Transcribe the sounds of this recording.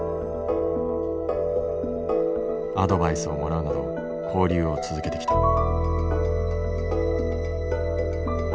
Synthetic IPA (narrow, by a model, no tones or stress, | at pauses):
ad̪o̞baisɨo̞mo̞ɾaɯ̟nad̪o̞ | kʰo̞ːɾʲɯːo̞t͡sɨzɨke̞t̪e̞ki̥t̪ḁ